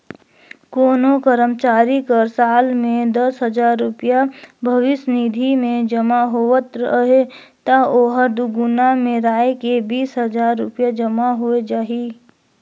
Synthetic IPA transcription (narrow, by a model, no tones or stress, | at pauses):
koːnokəɾəmt͡ʃaːɾikəɾsaːlmẽd̪əsɦəd͡ʒaːɾːʊpijabʱəʋɪsnid̪ʱimẽd͡ʒəmaɦoːət̪ɾɦe | t̪aoːɦəd̪uɡʊnamẽɾaːekebʱiːsɦəd͡ʒaːɾːʊ̰pjad͡ʒəmaɦued͡ʒaːɦi